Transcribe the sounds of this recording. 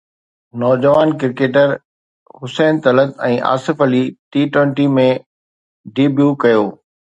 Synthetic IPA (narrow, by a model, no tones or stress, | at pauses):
nɔːd͡ʑəʋaːnkɪɾkeːʈəɾ | ɦʊsɛːnt̪ɐlət̪ɛ̃ːʔa̰ːsɪfəliʈiːʈwə̃ɳʈimẽ | ɖiːbjuːkɐjoː